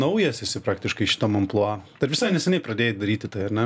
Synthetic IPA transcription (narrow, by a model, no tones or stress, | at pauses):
nɐʊjɛsʲɪsʲɪpɾɑːk̚t̪ʲɪʃkɐɪʃʲɪ̥t̪ɐmɐmplˠoɑːt̪ɐɾʋʲɪsɐɪnʲɛsʲɛnʲɛɪpɾɐd̪ʲeːjd̪ɐɾʲiːt̪ʲɪt̪ɐɪɐrnʲɛ